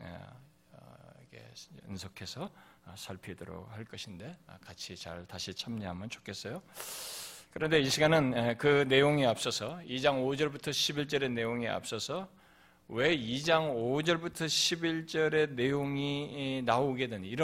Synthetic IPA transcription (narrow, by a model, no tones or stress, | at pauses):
ḛ | ikʰḛɯ̰nsʰokʰe̞sʰʌsʰaɭpʰidoɾo̰k̚haɭk͈ʌɕʰinde̞a̰kat͡ɕʰit͡ɕa̰ɭtaɕʰit͡ɕʰamɲiɦamʌnt͡ɕʰo̥kʰe̞s͈ʌjo | kɯɾʌnde̞iɕʰiɡanɯnkɯne̞joŋiap̚s͈ʌsʰʌid͡ʑaŋod͡ʑʌɭbutʰʌɕʰibiɭt͡ɕ͈ʌɾe̞ne̞joŋia̰p̚s͈ʌsʰʌ | we̞id͡ʑaŋod͡ʑʌɭbutʰʌɕʰibiɭt͡ɕ͈ʌɾe̞ne̞joŋinaoɡe̞deniɾʌ